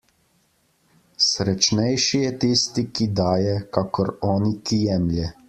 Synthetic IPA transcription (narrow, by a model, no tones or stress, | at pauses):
sɾɛt͡ʃnɛjʃijɛt̪ist̪ikid̪aːjɛkaːkɔɾɔːnikijɛːmljɛ